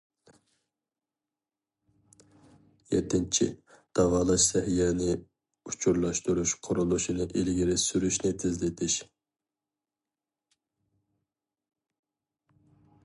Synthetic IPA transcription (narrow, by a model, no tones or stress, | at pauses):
jɛ̰t̪ʰːɪnt͡ʃʰḭ | d̪̥ɑʁɑːlˠɑʃsɛhijɛnɪ | ut͡ʃʰuɾlˠɑʃt̪uɾuʃqʰoɾulˠuʃinɨʔilɡʲiɾɪsyɾyʃnɪt̪ʰɪzlɪt̪ʰɪʃ